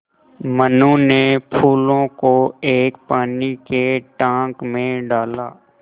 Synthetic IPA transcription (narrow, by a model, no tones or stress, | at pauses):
mənũnepʰuːlõkoeːk̚paːnikeʈãːkmẽɖaːla̰ː